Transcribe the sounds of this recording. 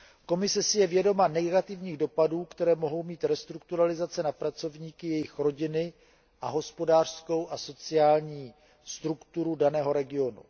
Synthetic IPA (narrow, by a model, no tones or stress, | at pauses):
ko̞mɪsɛsɪjɛvjɛdo̞manɛɡat̪ɪvɲiːɣdo̞paduːkt̪ɛɾɛːmo̞ɦo̞wmiːt̪ɾɛst̪ɾuk̚t̪uɾalɪzat͡sɛnapɾat͡sovɲiːkɪjɛjɪxɾo̞ɟɪnɪ | ʔaɦo̞spo̞daːr̥sko̞wʔaso̞t͡sɪaːlɲiː | st̪ɾukt̪uɾudanɛːɦo̞ɾɛɡɪo̞nṵ